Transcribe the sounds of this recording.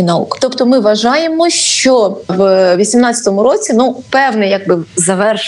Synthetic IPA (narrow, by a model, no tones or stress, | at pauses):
nɐṵkt̪ɔpt̪ɔmɪʋɐʒɑjemɔʃt͡ʃɔʋʋʲisʲimnɑt͡sʲɐ̥t̪ɔmʊɾot͡sʲinupɛwnɛjɐɡ̚bɪzɐʋɛrʃ